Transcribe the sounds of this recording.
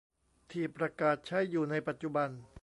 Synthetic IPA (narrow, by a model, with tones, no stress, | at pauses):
t̪ʰiː˧˩pɾa˧kaː˨˩t̪̚t͡ɕʰa˦˥˩jːuː˨˩na˧jpa˨˩t̪̚t͡ɕu˨˩ba˧n